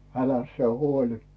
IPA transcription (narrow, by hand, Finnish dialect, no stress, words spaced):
ælæs sĭe huolʲi